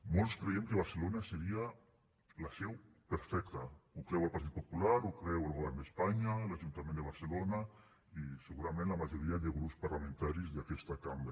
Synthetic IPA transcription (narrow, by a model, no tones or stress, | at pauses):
molskɾeemkeβ̞aɾselonaseɾia | lasɛw | peɾfɛk̚t̪aukɾɛwalpaɾt̪it̪̚populaɾukɾɛwalˠɣoβɛɾnd̪espaɲalaʒunt̪amẽnd̪eβ̞aɾselona | iseɣuɾamẽnlamaʒoɾiaðeɣɾupspaɾlamẽnt̪aɾizðakɛst̪akamba